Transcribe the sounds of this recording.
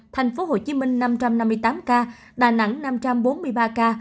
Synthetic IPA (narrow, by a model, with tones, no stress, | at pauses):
t̪ʰɛ˨˩jŋ̟fo˨˦ɦo˧˨˩t͡ɕi˨˦mï˧ŋ̟na˧mt͡ɕa˧mna˧mːɨ˧əjt̪aː˨˦mkaː˧ | ɗa̰ː˨˩na̰˧˥ŋna˧mt͡ɕa˧mɓo˨˦nmɨ˧əjɓaː˧kaː˧